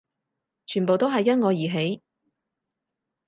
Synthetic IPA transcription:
t͡ʃʰyː˨˩npo˨wt̪o˥ɦɐ˨jːɐ˥t̚ŋɔː˨˧jiː˨˩ɦe˨˥j

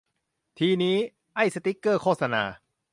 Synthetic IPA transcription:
t̪ʰiː˧niː˦˥ | ʔa˥˩jsa˧t̪i˦˥kːɤː˥˩kʰoː˥˩t̪̚sa˧na̰ː˧

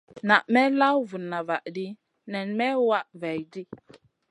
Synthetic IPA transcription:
na˨ʔmɛ˦la˦wvu˨nːa˨va˨ʔdi˦ | nɛ˨nmɛ˦wa˦ʔvɛ˨jdi˦

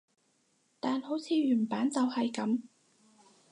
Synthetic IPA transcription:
t̪aː˨nho˨˥wt͡sʰiː˨˧ɥyː˨˩npaː˨˥nt͡sɐ˨whɐ˨jkɐ˨˥m

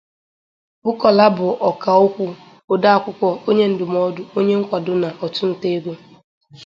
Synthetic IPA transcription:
bʊ˦kɔ˨la˦bʊ˨ʔɔ˨ka˨o˦kʷu˦ | o˨da˦a˦˨kʷʊ˦kʷɔ˦o˦ɲe˦n̩˦dʊ˨m˦ɔ˦dʊ˦o˦ɲe˦ŋ̩˦kʷa˨dʊ˦na˨ʔɔ˨tʊ˦n̩˨te˦ɡo˦

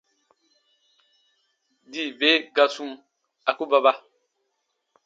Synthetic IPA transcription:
di˦˨ve˦ɡa˦su˦m | a˨ku˦ba˦ba˦

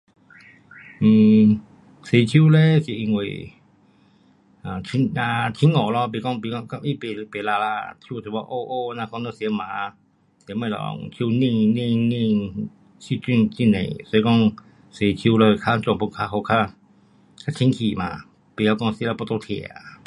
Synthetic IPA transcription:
m̩ː˨˩ | se˨˧t͡ɕʰjiu˧˨le˦si˨˩ʔi˧˨ŋwḛ˨ | ã˨t͡ɕʰi˧˦˥ŋa˧t͡ɕʰi˧˦ŋɔ˨˩˨lɔ˧p̬i˧˨kɔ˧˨ŋpi˧˩kɔ˧ka˧ʔi˦˨pe˨˧pe˨la˧la˧t̪ʰju˧˨tʰe˨˩bɔ˧˦ʔo˧ʔo˧nã˧˨kɔ˧˨nə˧˨si˧˦ə˦mãː˨˦ | si˧˦mẽ˧˨lɔ̰˨tʰju˧nĩ˧ŋnĩ˧ŋnĩ˧ŋ | si˧t͡ɕi˧˨ŋt͡ɕi˧˨nḛ̃˨sɔ˧i˧kɔ˥˧˨ŋ | se˨t͡ɕʰju˧˨˧lə˧˨˧kʰa˧t͡ɕwŋpu˧˨kʰa˧ho˧˩kʰa˦˧ | kʰa˦˧t͡ɕʰi˧˦ŋkʰi˨˩mã˨ | pi˨˧˨a˧kɔ˥˧ŋsi˧˦la˧pɔ˧t̪o˧˦t̪ʰɛ̰˧˩˨a̰˨˩

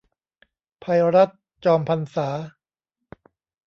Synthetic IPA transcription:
pʰa˧jɾa˦˥t̪̚ | t͡ɕɔː˧mpʰa˧nsaː˩˦

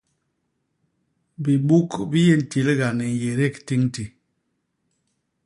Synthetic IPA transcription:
bi˨ɓu˦kbi˦je˦˨n̩˨ti˨lɡa˨nɛ˨n˨je˨ɾe˦˨kti˦ŋti˨

